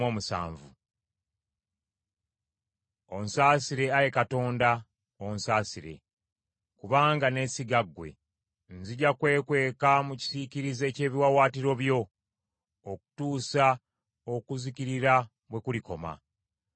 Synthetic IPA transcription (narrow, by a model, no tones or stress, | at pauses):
oːmusa̰ːɱvṵ | onsaːsiɾe̞aje̞kato̞ːnda | onsaːsiɾe̞̰ | kuβaːŋɡane̞siɡaɡːwe̞̰ | nziɟakwe̞ːkwe̞ːkamuci̥siciɾize̞ːce̞ːβiwawaːtiɾo̞βjo̞ː | ku̥tuːsa | okuziciɾiɾa | βwe̞kuliko̞ma̰